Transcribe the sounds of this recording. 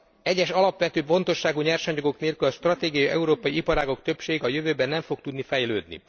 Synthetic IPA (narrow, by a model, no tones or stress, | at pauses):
ɛɟːɛʃɒlɒpʋɛt̪øːpo̞nt̪o̞ʃːaːɡuɲɛrʃɒɲoɡo̞kneːlkylɒʃt̪rɒt̪eːɡijɒjʔɛ̰uɾoːpɒjiipɒɾaːɡo̞kt̪ø̞pʃeːɡɒjøvøːbɛnːɛɱfo̞k̚t̪ud̪nifɛjløːd̪nḭ